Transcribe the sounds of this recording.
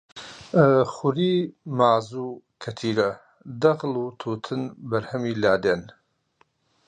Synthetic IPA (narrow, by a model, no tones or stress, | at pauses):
χʊɾiːmaːzuːkʰɐt̪ʰiːɾɐ | d̪ɐɣlut̪ʰuːt̪ʰɨnbɐɾhɐmiːlaːd̪eːn